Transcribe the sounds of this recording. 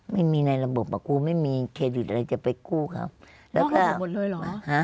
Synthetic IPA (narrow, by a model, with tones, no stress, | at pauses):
ma˥˩jmiː˧na˧jla˧bo˨˩p̚pːa˨˩kuː˧˩ma˥˩jmiː˧kʰe˧t̪̚i˨˩t̪a˨a˧jt͡ɕa˨˧˨pa˧jkuː˥˩˨kʰa̰˧˩ | lɛː˦kaː˧˥˩o˨lə˧˨lɔ˨˧ha˦˥